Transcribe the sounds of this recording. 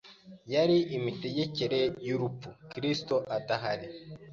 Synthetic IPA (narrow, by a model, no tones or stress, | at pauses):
jaɾiʔimite̞ɟe̞ceɾejuɾupukiɾistoʔataɦaɾi